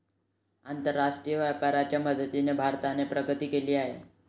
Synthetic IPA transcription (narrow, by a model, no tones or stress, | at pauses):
ant̪əɾːaʂʈɾijəʋapaɾat͡ɕjaməd̪ʱət̪inebʱaɾt̪anepɾəɡət̪iːkeliːaɦḛ